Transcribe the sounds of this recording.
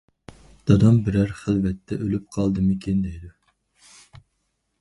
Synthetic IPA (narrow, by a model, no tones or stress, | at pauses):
d̪̥ɑd̪ɑmbɪɾæɾχəlvɛt̪ʰːɛʔølyp̚qʰɑlˠd̪ɨmɨkʲʰend̪ɛd̪u